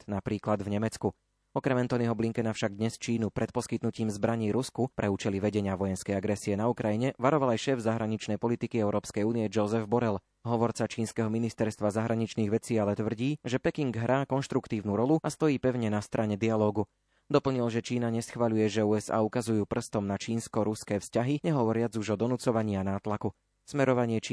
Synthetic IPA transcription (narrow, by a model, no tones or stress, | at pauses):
napɾiːklad̪vɲɛmɛt͡sku | ɔkɾɛmɛnt̪ɔniɦɔbliŋkɛnafʃaɡ̚d̪ɲɛst͡ʃiːnupɾɛt̪̚pɔskit̪nuciːmzbɾaɲiːɾuskupɾʔɛuːt͡ʃɛliʋɛɟɛɲɪaʋɔjɛnskɛjaɡɾɛsiɛnaukɾajiɲɛʋaɾɔʋalajʃɛːvzaɦɾaɲit͡ʃnɛjpɔlit̪ikiɛʊɾɔːpskɛjuːniɛd͡ʒɔzɛvbɔɾɛl | ɦɔʋɔɾt͡sat͡ʃiːnskɛɦɔminist̪ɛɾst̪ʋazaɦɾaɲit͡ʃniːɣʋɛt͡siːalɛt̪ʋr̩ɟiːʒɛpɛkiŋɡɦɾʔaːkɔnʃt̪ɾukt̪iːʊnuɾɔluast̪ɔjiːpɛʊɲɛnast̪ɾʔaɲɛd̪ialɔːɡu | d̪ɔpl̩ɲilʒɛt͡ʃiːnaɲɛsxʋaʎujɛʒɛuːɛza̰ːukazujuːpr̩st̪ɔmnat͡ʃiːnskɔɾuskɛːfscaɦiɲɛɦɔʋɔɾɪad͡zuʒɔd̪ɔnut͡sɔʋaɲiːanaːt̪laku | smɛɾɔʋaɲɪɛt͡ʃː